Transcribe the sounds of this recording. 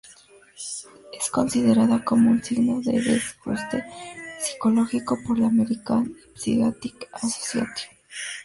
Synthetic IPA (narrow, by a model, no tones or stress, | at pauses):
esko̞nsiðeɾaðako̞mounsiɣnoðḛβesxṵst̪epsi̥koloxikopoɾlameɾikanpsḭɣat̪ikaso̥sja̰t̪i̥